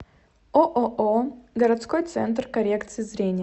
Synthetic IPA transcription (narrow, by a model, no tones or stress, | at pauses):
oʔoʔoɡəɾɐt̪sko̞jt̪sɛ̰nt̪̬rkɐɾʲekt̪sɨjɪzɾʲenʲɪj